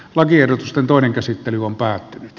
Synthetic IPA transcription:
lɑkierdot̪ust̪ent̪oˑeneŋkæsit̪ːelyompæːt̪ːynyt̪

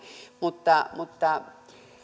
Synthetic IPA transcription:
mut̪ːamut̪ːa

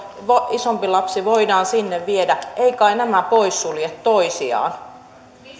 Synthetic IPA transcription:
ʋoisompilɑpsiʋoidɑːnsinːeʋʋiedæʔeikɑinæmæpoisːuljet̪toisiɑ̰ːn

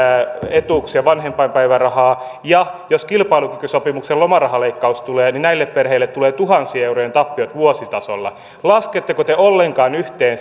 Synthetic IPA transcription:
et̪uksjɑʋɑnhempɑimpæiʋærɑhɑːjɑjoskilpɑilukykysopimukselomɑrɑɦɑleikːɑust̪uleːninæilːepperheilːet̪t̪ːuleːt̪uɦɑnsiːeurojent̪ɑpːiot̪ʋuosit̪ɑso̰lːɑ̰ | lɑsket̪ːekot̪eolːeŋkɑːnyht̪eːn

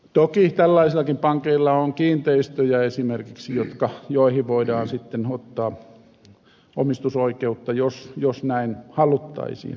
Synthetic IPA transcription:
t̪okit̪ælːɑisilːˑɑkimpɑŋkeilːɑoŋkiːnt̪eist̪øjæesimerkiksijot̪kɑjoˑihiʋʋoidɑːnsit̪ːenot̪ːɑː | o̰mist̪usoikeut̪ːɑjosjosnæinhɑlut̪ːɑ̰isḭːn

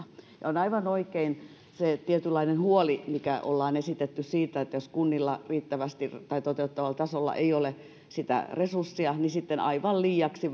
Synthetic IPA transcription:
jɑ̰onɑiʋɑnoikein | set̪iet̪ylːˑɑinenhuolimikæʔo̰lːɑːnesit̪et̪ːyssiːt̪æet̪ːæjoskunːilːɑriːt̪ːæʋæst̪it̪ɑit̪ot̪eut̪ːɑʋɑlt̪ɑsolːɑ̰ʔeiole | sit̪æ̰resursːiɑnisit̪ːenɑ̰iʋɑlliːɑksi

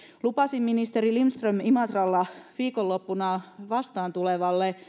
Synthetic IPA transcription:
lupɑsimːinist̪eɾilimst̪rømimɑt̪rɑlːɑʋiːkolːopːunɑʋɑst̪ɑːnt̪uleʋɑlːe

